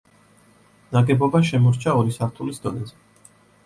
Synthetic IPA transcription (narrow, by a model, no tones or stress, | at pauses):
naɡɛbɔbaʃɛmɔɾt͡ʃʰaɔɾisaɾt̪ʰulisd̪ɔnɛzɛ